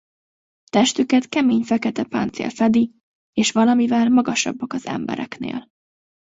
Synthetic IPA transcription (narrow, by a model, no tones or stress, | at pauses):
t̪ɛʃt̪ykɛt̪kɛmeːɲfɛkɛt̪ɛpa̰ːnt̪sḛːlfɛd̪i | eːʃvɒlɒmivɛlmɒɡɒʃɒ̰bːɒkɒz̥ɛ̰mbɛ̰ɾɛknḛːl